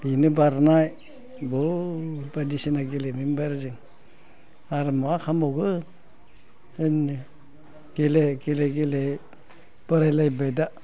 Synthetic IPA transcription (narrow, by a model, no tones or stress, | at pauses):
binɯbaɾnaj | bɔbadisinaɡelemimbaɾzɯŋ | aɾɯmakʰamɔɡɯ | ɯn | ɡ̥eleɡeleɡele | b̥ɯɾajlajbajda